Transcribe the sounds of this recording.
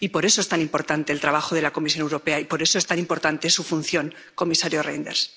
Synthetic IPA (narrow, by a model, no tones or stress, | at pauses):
ipo̞ɾe̞so̞est̪animpo̞ɾt̪ant̪e̞ːlt̪ɾaβ̞axoð̞e̞lako̞misjo̞newɾo̞pe̞aipo̞ɾe̞soe̞st̪anĩmpo̞ɾt̪ant̪esufunθjo̞ŋ | ko̞misaɾjorḛnd̪eɾs